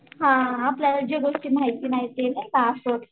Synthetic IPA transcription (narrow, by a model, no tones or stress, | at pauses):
ɦãapljaləd͡ʑeɡoʂʈiːmajt̪iːnait̪enebasoʈ̪